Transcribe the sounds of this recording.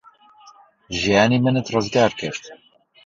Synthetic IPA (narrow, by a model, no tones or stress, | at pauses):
ʒijaːnimənɛt̪rɑzɡaːɾkʰəɾt̪